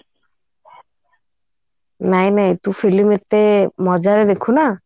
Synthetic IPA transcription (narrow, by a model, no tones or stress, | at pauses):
najnajt̪ũfʰilimet̪emɔd͡ʒaɾed̪ekʰuna